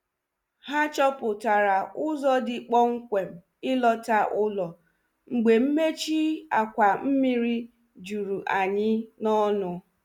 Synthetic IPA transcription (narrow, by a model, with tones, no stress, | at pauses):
ha˦t͡ʃɔ˦pʊ˨ta˨ɾa˨ʊ˦zɔ˦dɪ˨k͡pɔ˦ŋ̩˦kʷe˨m̩˨ | ɪ˦lɔ˦ta˦ʔʊ˦lɔ˨ | ŋ͡m̩˨ɡ͡be˨m̩˦me˦t͡ʃi˦a˨kʷa˨m̩˦mi˦ɾi˦ | d͡ʒu˨ɾu˨ʔa˨ɲɪ˦nɔ˦nʊ˦